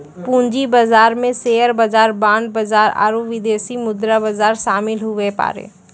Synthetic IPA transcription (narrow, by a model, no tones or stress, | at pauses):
pũːɲd͡ʒibazaːɾmẽseːjəɾbɐzaːɾbãːɳɖ̚bɐzaːɾa̰ːɾuʋɪd̪eːsimʊd̪ɾabɐzaːɾʃaːmɪlɦʊʋepa̰ːɾḛː